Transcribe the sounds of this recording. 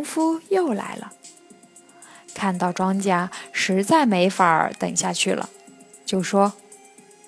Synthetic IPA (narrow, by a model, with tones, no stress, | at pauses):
ŋfu˥jo˥˩ʊla̰˧˥ɪlə̰˧ | kʰa˥˧nt̪ɑ˥˩ʊʈ͡ʂwɑ˥ŋt͡ɕja˥ʂɻ̩˧˥t͡sa˥˩ɪme˧˥ɪfa˧˥ə̰˞˨˧˥t̪ə̰˨˩ŋɕja˥˧t͡ɕʰy˥˩lə̰˩ | t͡ɕjo˥˩ʊʂwɔ˥